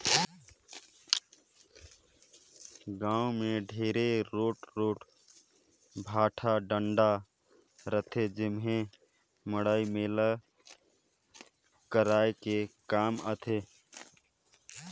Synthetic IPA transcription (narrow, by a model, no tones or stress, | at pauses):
ɡãːumeɖʱeːɾeɾoːʈɾoːʈ | bʱaːʈʰaɖəɳɖa | ɾət̪ʰed͡ʒɪmɦẽ | məɽaːimeːlə | kəɾaekekaːmət̪ʰe